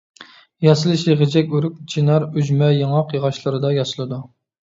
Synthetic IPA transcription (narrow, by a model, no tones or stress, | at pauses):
jɑsɨlˠɨʃjeʁɪd͡ʒɛkʲyɾyk̚ʲd͡ʒʰinɑɾyd͡ʒmɛjɑŋɑqjɨʁɑʃlˠɨɾɨd̪ɑjɑsɨlˠɨd̪u